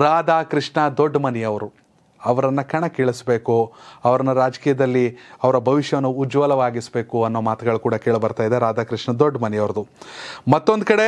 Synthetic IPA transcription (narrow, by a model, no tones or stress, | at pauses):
ɾaːd̪ʱaːkɾiʂɳɐd̪oɖːmɐnijɐʋɐɾu | ɐʋɐɾɐnːɐkɐɳɐkeːɭisbe̞ːkuɐʋɐɾɐnːɐɾaːd͡ʒɐ̥kiːjɐd̪ɐlːiɐʋɐɾɐbʱɐʋiʃjɐʋɐnːuːd͡ʒʋɐlɐʋaːɡisbe̞ːkuɐnːoːmaːt̪uɡɐɭukuːɽɐke̞ːɭbɐɾt̪aːjid̪eɾaːd̪aːkɾiʂɳɐd̪oɖːmɐnijɐʋɐɾɐd̪umɐt̪ːo̞nd̪ukɐɽe̞